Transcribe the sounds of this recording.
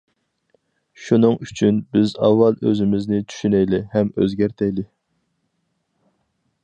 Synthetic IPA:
ʃunɨŋyt͡ʃʰynbɪzɑ̰wːɑlˠø̰zɪmɪznɪt͡ʃʰy̥ʃynɛjlɪhɛmø̰zɡʲæɾt̪ʰɛjlɪ

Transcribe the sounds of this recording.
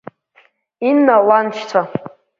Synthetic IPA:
inːalant͡ʃʰt͡sʷʰa

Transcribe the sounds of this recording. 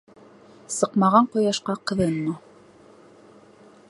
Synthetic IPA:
sɤqmɑʁɑɴqŏjɑʃqɑqɤ̆ðɤnːu

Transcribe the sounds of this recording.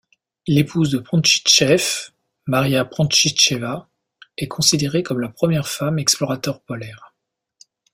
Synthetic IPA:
lepʰuzd̪əpχɔ̃ʃi̥t͡ʃɛf | maʁjapχɑ̃ʃit͡ʃeva | ɛkʰɔ̃sid̪eʁekɔmlapχəmjɛʁfamɛksplɔʁat̪œʁpɔlɛːʁ

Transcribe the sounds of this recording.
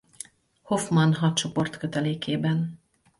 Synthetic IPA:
ho̞fmɒnɦɒt̪̚t͡ʃo̞po̞rt̪køt̪ɛleːkeːbɛn

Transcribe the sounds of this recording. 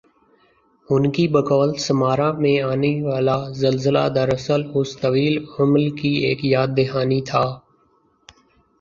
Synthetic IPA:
ʊnkiːbəkɔːlsəmaːɾãːmẽːaːneːʋaːlaːzəlzəla̰ːd̪əɾəsəlʊst̪əʋiːləmlkiːḛːkjaːd̪̚ːɪɦaːniːt̪ʰaː

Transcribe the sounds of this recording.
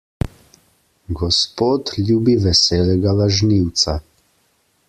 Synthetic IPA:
ɡɔspoːt̪lʲjuːbiʋɛsɛːlɛɡaʋaʒniwt̪sa

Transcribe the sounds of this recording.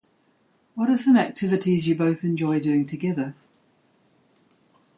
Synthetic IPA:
wɒɾəzðə̃nak̚tʰɪvɪtizjəbəʊθɛ̃nd͡ʒɔɪdʉːɪ̃ŋtʰəɡɛðə

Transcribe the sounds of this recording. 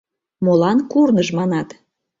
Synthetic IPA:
molɑnkurnəʒmɑnɑt̪

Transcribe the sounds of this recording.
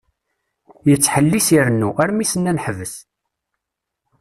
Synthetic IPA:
jət͡sːħəlːisiɾnːuæɾmisənːænħəvəs

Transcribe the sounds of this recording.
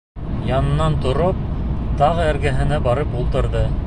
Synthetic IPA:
jɑnɤ̆nːɑnt̪ŏɾop̚t̪ɑʁɤɘ̆ɾɡæɦɘ̆næbɑɾɤpulˠt̪ɤ̆ɾðɤ

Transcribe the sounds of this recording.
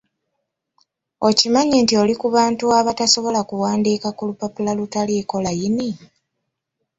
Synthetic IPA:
o̞cimaɲeːntio̞likuβaːntuaβataso̞βo̞lakuwaːndikakulupapulalutaleːko̞lajini

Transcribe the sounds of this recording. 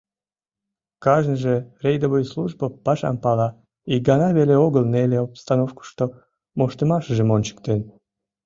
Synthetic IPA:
kɑʒnəʒe̽rejd̪oβojsluʒbəpɑʃɑ̰mpɑlɑ | iɡɑnɑβeleoɣəlneleopst̪ɑnofku̥ʃt̪o | moʃt̪əmɑʃəʒemonʲt͡ɕə̥k̚t̪en

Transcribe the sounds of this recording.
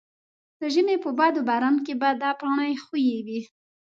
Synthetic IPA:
d̪̥əʒəmepəbɑd̪obaɾɑnk̬ebad̪ɑpɾɑɳajxujewi

